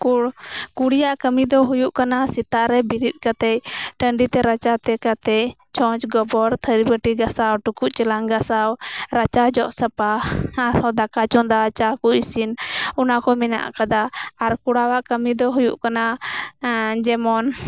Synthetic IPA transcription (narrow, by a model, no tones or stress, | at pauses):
kuɽkuɽijaʔkəmid̪ɔɦujuʔkanasit̪aʔɾɛbiɾit̪̚kat̪ɛjʈəɳɖit̪ɛɾat͡ʃat̪ɛkat̪ɛ | t͡ʃɔ̃t͡ʃɡɔbɔɾt̪ʰəɾibəʈiɡasawʈukuʔt͡ʃɛlaŋɡasawɾat͡ʃad͡ʒɔʔsəpaːɾhɔd̪akat͡ʃɔnd̪at͡ʃakuisinɔnakɔmɛna̰ʔa̰kad̪aːɾkuɽawaʔkəmid̪ɔɦujṵʔkana | d͡ʒɛmɔn